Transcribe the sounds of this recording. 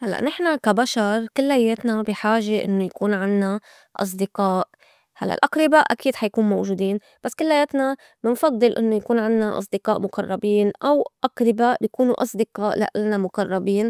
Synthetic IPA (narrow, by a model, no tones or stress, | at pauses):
halːa̰ʔnɪħnakabaʃɑɾˤkɪlːajːeːt̪nabiħaːʒeʔɪ̰nːojakuːnʕɪnːa | ʔɑ̰s̬ˤd̪ɪqɑːʔ | halːa̰ʔlʔaqɾɪbaːʔʔakiːd̪ħajkuːnmowʒuːd̪iːn | b̥asːkɪlːajːeːt̪na | bɪnfɑd̪ˤːɨlʔɪ̰nːojakuːnʕɪnːaʔɑ̰s̬ˤd̪ɪqɑːʔmʊqɑrˤːɑbiːnʔawʔaqɾɪbaːʔjakuːnuʔɑsˤd̪ɪqɑːʔla̰ʔɪlnamʊqɑrˤːɑbiːn